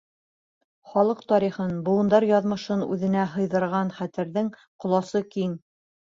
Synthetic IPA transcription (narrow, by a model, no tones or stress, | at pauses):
χɒlˠɤqt̪ɒɾiχɤnbuɤ̆nd̪ɑɾjɑðmɤ̆ʃɤnʉ̰ðɘ̆næɦɤ̆jðɤ̆ɾʁɑnχæt̪ɘ̆ɾðɘŋqŏlˠɑsɤkiŋ